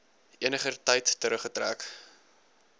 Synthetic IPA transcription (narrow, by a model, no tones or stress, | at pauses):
ʔiənəχərtɐjtːəɾəχətɾæ̰ːk